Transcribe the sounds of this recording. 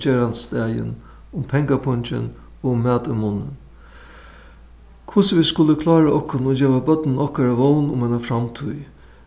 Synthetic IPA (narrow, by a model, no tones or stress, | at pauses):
t͡ɕeːɾanst̪æːjɪ̰n | ʊmpʰɛŋkapʰʊɲt͡ʃɪ̰n | oːʊmːæːt̪əmʊnə̰n | kʰʊsəʋiːd̪skʊlːəkʰlɑːɾaɔhkːʊnod͡ʒeːʋabœt̪nɪnɔhkaɾaʋownʊmɛnafɾamt̪ʰuj